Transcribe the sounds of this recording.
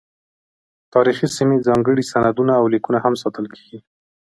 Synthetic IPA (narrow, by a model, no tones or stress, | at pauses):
t̪ɑɾixisimed͡zɑŋɡəɽisanad̪unaːwlikunahamsɑt̪əlkʰe̥ɡi